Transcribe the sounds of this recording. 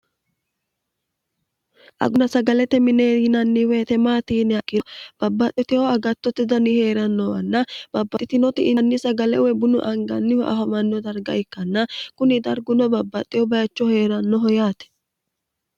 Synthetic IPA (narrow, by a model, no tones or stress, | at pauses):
ʔɐ̰ɡʊnɐsɐɡɐlɛt̪ːɛmɪneːhɪnɐnːiwɛːt̪ɛmaːt̪iːnɪɐkʼːɪb̥ɐbːɐt̪ʼːɪt̪ɪɔɐɡɐt̪ːɔt̪ːɪd̪ɐniheːɾɐnːɔwɐ̰nːɐb̥ɐbːɐɪt̪ɪnɔt̪ɪʔːnːɪsɐɡɐlɛ̰wɛbʊnʊʔɐŋɡɐnːɪhɔʔɐ̰fɐmɐnːɔd̪ɐɾɡɐ̰ɪkːɐnːɐkʊnɪd̪ɐɾɡʊnɔbɐbːɐt̪ʼːɪhɔbɐjɐt͡ʃːɔhe̞ːɾɐnːɔɦɔjaːt̪ɛ̥